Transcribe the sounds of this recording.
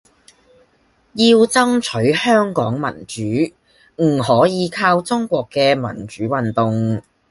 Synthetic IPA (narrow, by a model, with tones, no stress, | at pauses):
jiː˧wt͡sɐ˥ŋt͡ʃʰɵ˨˥ɥhœː˥ŋkɔː˨˥ŋmɐ̰˨˩nt͡ʃyː˨˥ | m̩˨˩hɔː˨˥jiː˨˧kʰaː˧wt͡sʊ˥ŋkʷɔː˧kːɛː˧mɐ̰˨˩nt͡ʃyː˨˥wɐ˨nt̪ʊ˨ŋ